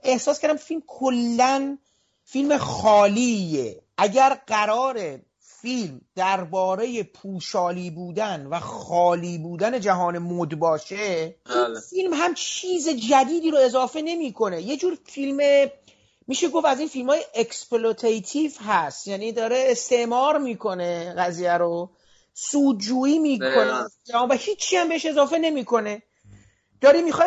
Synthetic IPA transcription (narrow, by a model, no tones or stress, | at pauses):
ʔe̞hsɒːskæɾd̪æmfilmkʰolːæn | filme̞xɒːliːjḛʔæɟæɾɢæɾɒːɾe̞ | filmd̪̥æɾbɒːɾeje̞pʰuːʃɒːliːbuːd̪ænvæxɒːliːbuːd̪æne̞d͡ʒæɦɒːne̞mod̪bɒːʃeʔinfilmɦæmt͡ʃʰiːze̞d͡ʒæd̪iːd̪iːɾoe̞zɒːfe̞ne̞miːkʰo̞ne̞je̞d͡ʒuːɾfilme | miːʃe̞ɡo̞fæziːnfilmhɒːjeʔeksplot̪ʰejt̪ʰifɦæst̪jæniːd̪ɒːɾe̞ːst̪e̞ʔmɒːɾmiːkʰo̞ne̞ɣæziːjæɾo | suːd̪̚d͡ʒuːiːmiːkʰoned͡ʒæːnvæhiːt͡ʃʰːiːæmbe̞eʃe̞zɒːfe̞ne̞miːkʰo̞ne̞ | d̪̥ɒːɾiːmiːxɒ